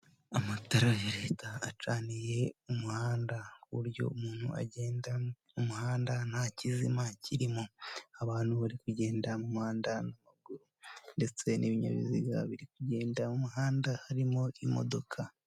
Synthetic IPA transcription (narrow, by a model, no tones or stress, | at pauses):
amataɾajeɾetaːt͡ʃaːnije̞umuhaːndakuuɾjo̞̰umuːn̥hṵa̰ɟeːnda | umuhaːndanhacizimacʰiɾimoaβaːnuβaɾikuɟe̞ːndamumuhaːndanamaɡuɾunde̞t͡se̞niβiɲa̰βḭziɡa̰βiɾik̚uɟe̞ːndamumuhaːndahaɾimo̞imo̞̰do̞kʰa